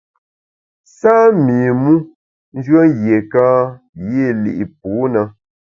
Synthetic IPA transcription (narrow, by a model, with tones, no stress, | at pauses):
saː˦miː˨mu˦ | n̩˦d͡ʒɥɰə˦ŋ˦ɣje˨kãː˦ | je˦˨lḭ˨ʔi˨p̚u˨˦na˦